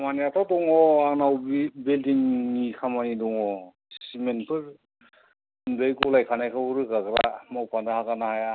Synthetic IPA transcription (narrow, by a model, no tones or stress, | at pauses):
manijapadɔŋɔaknawbbildiŋnikʰamanidɔŋɔ | ssimenpʰɯɾ | nbajkulajkʰanajkʰabuɾɯkaɡɾamawpʰandahakanahaja